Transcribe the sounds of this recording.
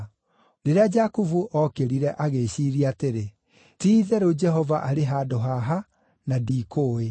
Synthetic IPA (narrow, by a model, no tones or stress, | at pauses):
ɾeɾead͡ʒakuvuʔɔkeɾiɾɛʔaɣeɕiɾiateɾe | tiːðɛɾod͡ʒɛɦɔvaʔaɾeɦaːdoɦaɦa | nadiːkoe